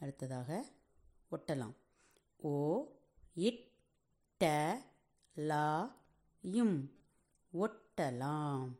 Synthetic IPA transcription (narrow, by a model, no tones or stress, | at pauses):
ɛɽɯt̪ːɐðaːɣɐ | ɔʈːɐla̰ːm | oː | ɪʈː | ɐ | laː | jɯm | ɔʈːɐlaːm